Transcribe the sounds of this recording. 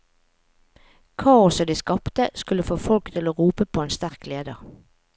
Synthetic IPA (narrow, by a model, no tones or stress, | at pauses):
kʰɑːɔsɔd̪iːskɑpt̪əskʉləfoːfɔlkt̪ʰɪloːʁuːpəpʰoːeːnst̪æʁkleːd̪əʁ